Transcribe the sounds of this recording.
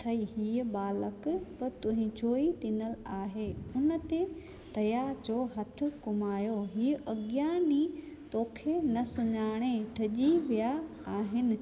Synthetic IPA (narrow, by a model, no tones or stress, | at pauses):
t̪ʰɐiːɦiːəɓaːləkpɐɾt̪ʊɦɪ̃d͡ʑoːiʈɪnəlaːɦeːʊnə̆t̪e | t̪ɐjaːɾd͡ʑoːɦɐt̪ʰɪ̆kʊmaːjoɦiːʔɐɡjaːni | t̪oːkʰenɐsʊɲaːɽ̃eʈʰɐʄiʋija | aːɦɪnɪ̆